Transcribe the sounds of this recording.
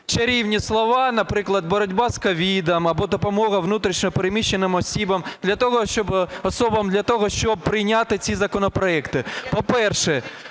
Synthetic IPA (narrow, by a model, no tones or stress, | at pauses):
t͡ʃɐɾʲiwnʲislˠɔʋɑnɐpɾɪklˠɐd̪̚bɔɾɔdʲbɑskɔʋʲid̪ɐmɐbɔd̪ɔpɔmɔɣɐʋnut̪ɾʲiʃnʲɔpeɾemʲiʃːenɪmɔsʲibɐmd̪lʲɐt̪ɔɦɔʃt͡ʃɔbɔsɔbɐmd̪lʲɐt̪ɔɦɔʃt͡ʃɔb̚pɾɪjnʲat̪ɪt͡sʲizɐkɔnɔpɾɔɛkt̪ɪpɔpɛrʃɛ